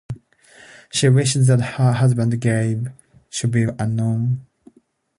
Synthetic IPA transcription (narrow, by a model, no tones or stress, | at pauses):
ʃiwɪʃzðɨt̚hə˞ɦʌzbə̃ndɡeɪv | ʃɨd̚biə̃nõn